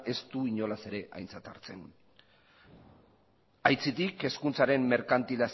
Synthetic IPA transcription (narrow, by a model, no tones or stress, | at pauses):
e̞st̪uiɲo̞lase̞ɾe̞ʔa̰jnt͡sat̪a̰ɾt͡se̞n | ajt͡sit̪ike̞skunt͡saɾe̞mːe̞ɾkant̪ilas